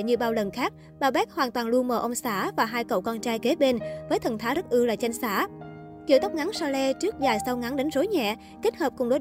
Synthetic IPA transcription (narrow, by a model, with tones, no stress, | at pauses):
ɲɨ˧ɓaː˧wlə˨˩nxaː˦˥k̚ | ɓaː˨˧˩ɓɛ˦˥k̚hwaː˨˩nt̪waː˨˩nlu˧ənməː˨˩ʔə˧wŋ͡msaː˧˩˥vaː˨˩ɦaː˧jkə̰˧˨wkɔ˧nt͡ɕaː˧jke˨˦ɓe˧nvəː˨˦jt̪ʰə˨˩nt̪ʰaː˨˦zə˦˥t̚ʔɨ˧laː˨˩t͡ɕa˧jŋ̟saː˧˩˥ | ki˧˨wt̪ɔ˦˥k͡p̚ŋa˨˦ŋsɔ˧lɛ˧t͡ɕɨ˦˥ək̚zaː˨˩jsa˧wŋa˨˦ŋɗa˨˦jŋ̟zo˨˦jɲɛ̰˧˨ | ke˦˥t̚həː˨˩p̚kʊ˨˩ŋ͡mɗo̰˨˦